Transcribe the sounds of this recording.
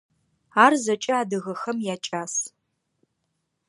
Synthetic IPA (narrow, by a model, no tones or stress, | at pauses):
aːrzɐt͡ʃʼɐaːdɨɣɐxɐmjaːt͡ʃʼaːs